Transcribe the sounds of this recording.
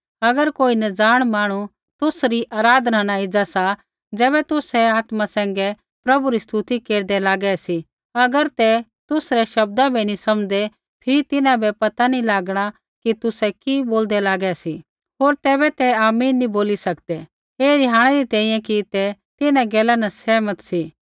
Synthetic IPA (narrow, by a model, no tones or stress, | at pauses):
ɐɡəɾkoːinɛd͡zaːɽ̃maːɽ̃u | t̪ʊsɾiʔaːɾaːd̪ʱnanaɪd͡zasa | d͡zɛːβɛt̪ʊsɛaːt̪masɛ̃ːŋɡɛ | pɾɐbuɾist̪ut̪ikeːɾd̪ɛlaːɡɛsi | ɐɡəɾt̪ɛ | t̪ʊsɾɛʃɐb̚d̪abʱinisɐmd͡zɛ | pʰɪɾit̪ɪnãbɛpɐt̪anilaːɡɽ̃a | kit̪ʊsɛkiboːld̪ɛlaːɡɛsi | ɦoːɾt̪ɛːβɛt̪ɛaːmiːnːĩboːlisɐkd̪ɛ | eːɾɪɦaːɽ̃ɛɾit̪ɛ̃ːĩːjɛ̃kit̪ɛt̪ɪnãɡɛːlanɐsɛːmət̪si